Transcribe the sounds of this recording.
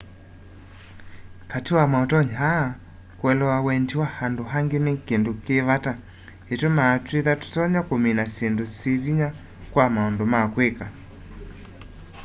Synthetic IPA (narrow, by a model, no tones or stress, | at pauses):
katiwamaɔtɔɲɦa | kwɛlɔwawɛnd͡ʒiwahandoɦaŋɡenekendokeβata | etomaːtweðatu̥sɔɲakominasendoseviɲa | kwamaɔndomakweka